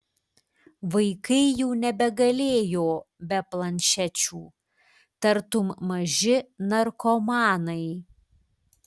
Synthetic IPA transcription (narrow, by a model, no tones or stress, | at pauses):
ʋɐɪkɐɪjuːnʲɛbʲɛɡɐlʲeːjoːbʲɛplˠɐnʲʃʲɛt͡ʃʲuː | t̪ɐɾt̪ʊmmɐʒʲɪnɐɾkɔmɑːnɐɪ